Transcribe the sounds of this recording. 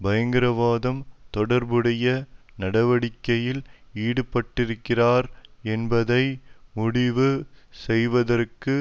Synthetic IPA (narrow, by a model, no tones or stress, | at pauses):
bɐjɐŋɡɪɾɐʋaːðɐmt̪ɔɽɐɾbɯɽɐjɐ | nɐɽɐʋɐɽɪkːɐjɪliːɽɯpːɐʈːɪɾɯkːɪraːɾɛnbɐðɐɪmʊɽɪʋɯsɛjʋɐðɐrkɯ